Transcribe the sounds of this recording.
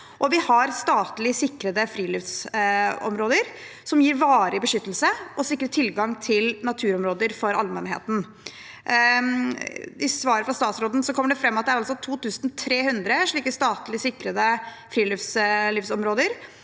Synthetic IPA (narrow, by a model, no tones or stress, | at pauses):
ʔɔʋɪhɑɾst̪ɑːt̪lɪsɪkɾəd̪əfɾiːliːfs | ɔ̰mɾoːd̪əɾ | sɔmjiːɾʋɑːɾəɪbəʂʏt̪ːəlsəʔɔsɪkːɾət̪ʰɪlɡɑŋt̪ʰɪlnɑt̪ʰʉːɾɔmɾoːd̪əɾfɔɾɑlmɛnɦḛːt̪n̩ | ɪsʋɑːɾəfɾɑst̪ɑːt̪sɾoːd̪n̩sɔkʰɔmːəɖɛfɾɛmːɑt̪d̪æɾɑlsɔt̪ʰuːt̪ʉːsnt̪ʰɾeːhʉnd̪ɾəʂɭiːkəst̪ɑːt̪lɪsɪkɾəd̪ə | fɾiːlifsliːfsɔmɾoːd̪əɾ